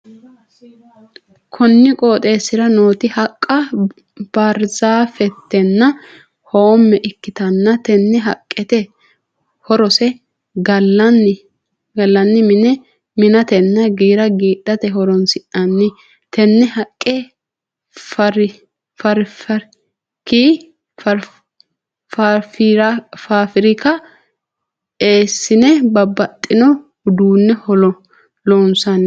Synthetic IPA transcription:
kʰɔnːɪkʼo̞ːt̪ʼe̞ːsɪɾɐno̞ːt̪ɪhɐkʼːɐ | b̥ɐɾzaːfɛt̪ːɛnːɐ | hoːmːɛʔɪkːɪt̪ɐnːɐt̪ɛnːɛɦɐkʼːɛt̪ɛ | hɔɾɔsɛ | ɡɐlːɐnː | ɡɐlːɐnːɪmɪnɛ | mɪnɐt̪ɛnːɐɡiːɾɐɡiːᶑɐt̪ɛɦɔɾɔnsɪʔɐnːɪ | t̪ɛnːɛhɐkʼːɛ | fɐɾɪ | fɐɾfɐɾ | kiː | f | ffɾɐfaːfɪɾɪkɐ | eːsːɪnɛbɐbːɐt̪ʼːɪnɔ | d̪uːnːɛhɔlɔ | lɔnsɐnːɛ

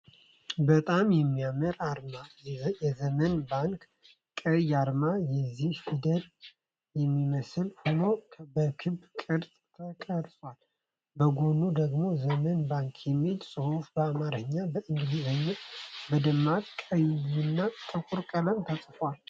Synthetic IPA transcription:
bət̪ʼamjɛmːijaməɾaɾmajjɛzəmənbaŋk | kʼːəjaɾmajɛzːihfid̪ət̪ʼ | jɛmːiməsɨlhono̞bəkʰɨbkʼɨɾt̪ʼ | t̪ʰəkʼəɾsʼwal | bəɡo̞nud̪əɡmo̞zəmənbaŋkʰjɛmːilsʼɨhufbəamaɾəɲːabəʔɨŋɡɨd̪izəɲːɛbəd̪əmːat̪kʼəjlɨnːat̪ʼɨkʼuɾkʼələmt̪ʰasʼfwal

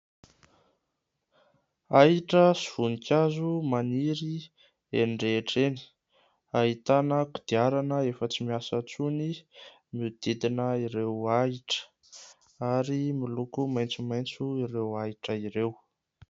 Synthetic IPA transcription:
aɦiʈ͡ʂəsiv̥unikʲazumaniɾi | eɳɖ͡ʐeʈ͡ʂeni̥ | aɦit̪anəku̥d̪̥iaɾanəefət͡simiasət͡suni | mud̪̥id̪inəiɾewaiʈ͡ʂə̥ | aɾimilukumajnt͡sumajnt͡suiɾewaiʈ͡ʂəiɾew

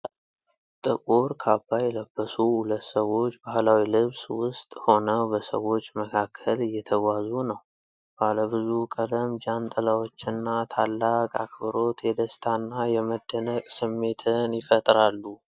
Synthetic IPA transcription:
t̪ʼɨkʼuɾkʰabːajɛləbːəsuhulət̪ːsəwo̞t͡ʃːbahlawilɨβswʊst̪ʼho̞nəbəsə̰wo̞t͡ʃːməkʰakʰːəlɨjːɛt̪ʰəɡʷazunəw | b̥aləβɨzukʼələmd͡ʒant̪ʼəlawo̞t͡ʃːɪnːat̪ʰalːakʼa̰kʰbəɾo̞t̪jɛd̪əst̪ʰanːajɛməd̪ːənəkʼsɨmːe̞t̪ʰɨnjɪfət̪ʼɾalːu

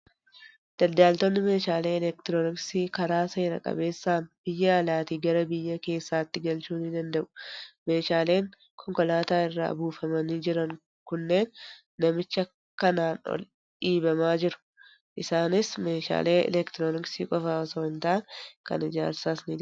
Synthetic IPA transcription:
d̪̥ɐd̪ːaːlt̪ɔnːɪme̞ːʃaːleːɛlɛkt̪ɪɾoːnɪksiːkɐɾaːsɐɾɐ̰kʼɐ̰be̞ːsːaːnb̥ɪjːɐːlaːt̪iɡɐɾɐbɪjːɐke̞ːsːaːt̪ːɪɡɐlt͡ʃuːnɪd̪ɐnd̪ɐʔʊ̥me̞ːʃaːle̞ːŋ | kʰɔŋkɔlaːt̪aːɪrːa̰ːbuːfɐmɐniːd͡ʒɪɾɐŋ | kʊnːe̞ːnː | ɐmɪt͡ʃːɐ | kːɐnaːnɔ̰l | ᶑiːbɐmaːd͡ʒɪɾʊ̥ | ʔɪsaːnɪsme̞ːʃa̰ːle̞ːɛ̰lɛkt̪ɪɾoːnɪksiːkʼɔfaːɔsoːɪnt̪aːnkɐ̰nɪd͡ʒa̰ːɾsaːsniːd̪

